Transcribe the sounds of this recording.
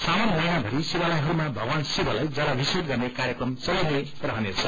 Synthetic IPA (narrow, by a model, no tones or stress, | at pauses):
samʌnmʌjãbʱʌɾisibalajɦʌɾumabʱʌɡwansibalajd͡zʌlabʱisit̪̚ɡʌrnekaɾjekrʌmsʌjid̪e | rʌɦʌnet͡sʰʌ